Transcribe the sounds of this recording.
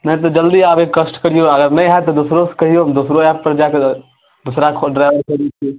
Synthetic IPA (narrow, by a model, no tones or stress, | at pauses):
nəĩt̪̬ɔd͡ʒəld̪iaːbekkːəsʈkəɽ̤ijoəɡəɾnəjɦat̪ɔd̪usɾoskəɦijomd̪usɾoɛpːəɾd͡ʒake | d̪usɾakʰɖɾaɪʋəɾkəɾit͡ʃʰi